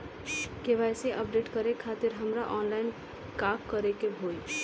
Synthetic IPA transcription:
keʋaseʔəp̚ɖeʈkəɾekʰat̪ɪɾɦəmɾaʔɔːnlaɪn | kakːəɾekebʱoi

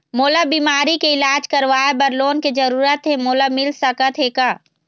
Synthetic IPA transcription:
moːlabiːmaːɾikeɪlaːd͡ʒkɐɾʋaːebɐɾloːnked͡ʒɐɾuːɾət̪ɦemoːlamɪlsɐkət̪ʰeːka

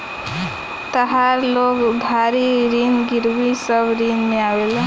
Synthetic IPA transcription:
t̪əɦaɾlokd̪ʱaɾiɾinɡiɾwisʌbɾinmeawel

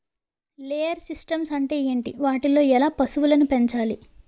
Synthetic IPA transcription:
leːjɐɾsisʈɐmsɐɳʈe̞ːeːɳʈḭʋaːʈilo̞ːɛlaːpɐsuʋulɐnupeɲt͡ʃaːli

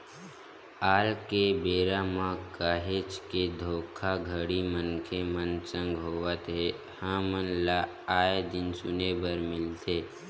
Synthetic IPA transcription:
aːlkebeːɾamãkaːɦeːt͡ʃked̪ʱoːkʰaɡʱəɽimənkʰemənsə̃ŋɡɦoːʋət̪ɦe | hãmənla | aːed̪ɪnsʊnebəɾmɪlt̪eː

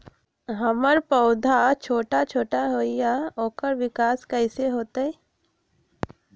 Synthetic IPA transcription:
ɦɐməɾpəʊd̪ʱat͡ʃʰoːʈat͡ʃʰoːʈaɦoːɪjaoːkəɾʋɪkaːskəɪseɦoːt̪aɦɛ

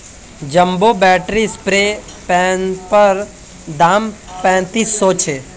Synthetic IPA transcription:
d͡ʒəmboːbɛːʈɾispɾeː | pɛ̃npəɾ | d̪aːmpɛ̃ːt̪isot͡ʃʰeː

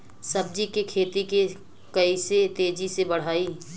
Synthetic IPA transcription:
sɐb̚d͡ʒikekʰeːt̪ike | kɐiset̪eːd͡ʒisebɐɽ̤aːiː

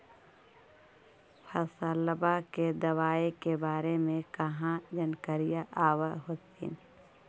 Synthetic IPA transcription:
pʰɐsələbaked̪ɐwaːekebaːɾemẽkɐɦãd͡ʒənkəɾijaʔaːwaɦoːt̪ḭːn

